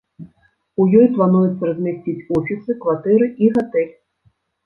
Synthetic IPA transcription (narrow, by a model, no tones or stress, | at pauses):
ujɔjplˠanujɛt̪sːɐɾɐzʲmʲasʲt͡sʲit͡sʲufʲit̪sɨkvat̪ɛɾɨʔiɣat̪ɛlʲ